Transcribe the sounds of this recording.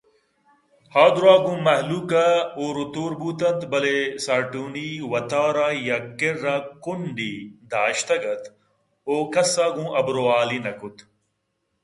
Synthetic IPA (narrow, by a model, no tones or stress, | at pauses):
haːd̪ɾaːɡũːmɐɦluːkaoːɾut̪uːɾbuːt̪ɐnt̪bɐleːsaːʈuːniːwɐt̪aːɾaːjakɪɾːãːkʊnɖiːd̪ʱaːʃt̪ɐɡɐt̪ | oːkɐsaːɡũːʔɐbɾoːaːliːnɐkʊt̪